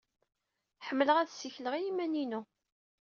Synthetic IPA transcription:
ħəmːələʁæðsiçləʁiimæninu

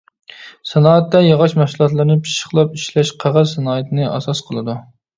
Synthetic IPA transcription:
sɛnɑːɛt̪ːɛjɑʁɑʃmæʃslˠɑt̪̬lˠɨɾnɨpʰi̥ʃə̥χlˠɑp̚iʃlɛʃqʰɑʁɑzsːɛnɑːət̪ʰɨnɨʔɑ̰sɑsqʰəlˠɨd̪u

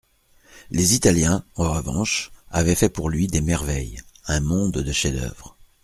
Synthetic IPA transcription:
lezit̪aljɛ̃ɑʁ̃ʁəvɑ̰̃ʃavɛfɛpuʁlɥid̪emɛʁvɛjɛ̃mɔ̃d̪d̪əʃed̪œ̰vʁ

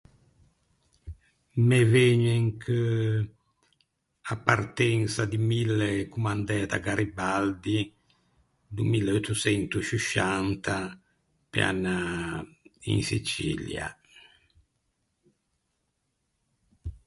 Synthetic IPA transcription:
mɛveɲɛŋkʰə | apːart̪ɛnsad̪imilːekumand̪ɛːt̪a̰ɡaɾibald̪i | d̪umilːeɔt̪usɛnt̪uʃiʃant̪ʰa | pj̰a̰nːa | ḭnsḭt͡ʃḭlja̰

